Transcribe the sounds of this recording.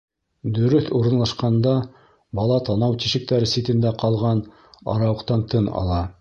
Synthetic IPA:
d̪ɵ̆ɾɵθuɾɤ̆nlˠɑʃqɑnd̪ɑ | bɑlˠɑt̪ɑnɑwt̪iʃɘ̆k̚t̪æɾɘsit̪ɘ̆nd̪æqɑlˠʁɑn | ɑ̰ɾɑwɤ̆qt̪ɑnt̪ʰɤnɑ̰lˠɑ

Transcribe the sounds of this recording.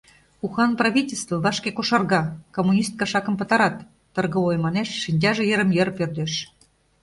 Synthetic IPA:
uxɑnprɑβʲitʲelʲst̪vəβɑʃkekoʃɑrɣɑkomunʲist̪̚kɑʃɑkə̆mpɤ̆t̪ɑɾɑt̪ː | ɤ̆rɣə̆ojmɑneʃːinʲt̬ʲɑʒĕjə̆ɾə̆mjerpørd̪eʃ

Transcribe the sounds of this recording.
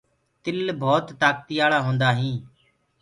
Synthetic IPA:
t̪ɪlbʱoːt̪ːaːk̚t̪iːaːɭaːɦõːnd̪aːɦĩː

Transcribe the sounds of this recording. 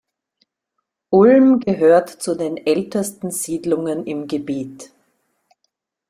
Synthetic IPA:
ʔʊlmɡəɦøːɐtt͡sudeːnʔɛltəstn̩z̥iːdlʊŋənɪmɡəbeːt

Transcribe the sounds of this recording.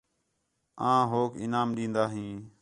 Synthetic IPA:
ãːɦoːkɪ̰naːmɗĩːnd̪aːɦĩː

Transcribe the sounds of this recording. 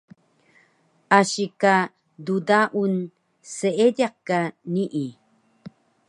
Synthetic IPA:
ʔaɕika | dudaʔun | səedaq̚kaniʔi

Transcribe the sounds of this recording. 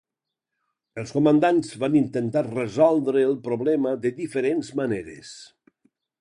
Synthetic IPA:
əlˠskomənd̪anzβanint̪ənt̪arəzɔlˠd̪ɾəːlˠpɾoβlɛməðəðifəɾenzmaneɾḛs

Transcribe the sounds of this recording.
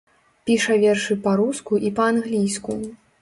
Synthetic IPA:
pʲiʂɐvʲɛrʂɨpaɾuskuʔipɐanɣlʲijsku

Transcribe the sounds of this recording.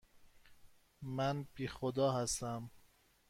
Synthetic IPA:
mænb̥iːxod̪ɒːɦæst̪æm

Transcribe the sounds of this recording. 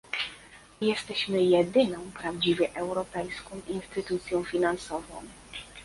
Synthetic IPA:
jɛst̪ɛɕmɘjɛd̪ɘnɔ̃w̃pɾavd͡ʑivʲjɛʔɛwɾɔpɛjskɔ̃w̃inst̪ɘt̪ut̪sʲjɔ̃w̃fʲinansɔvɔ̰̃w̃

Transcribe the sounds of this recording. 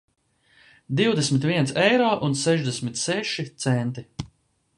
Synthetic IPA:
d̪iwd̪esʲmit̪vʲiɛnsɛjɾɔːʔunsɛʒd̪esʲmʲit̪sɛʃit̪sɛnt̪i

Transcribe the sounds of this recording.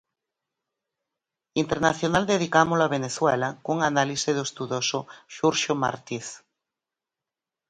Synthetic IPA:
int̪eɾnaθjonald̪eðikamoloaβ̞eneθwɛlakuŋanaliseðoest̪uðosoʃuɾʃoma̰ɾt̪iθ

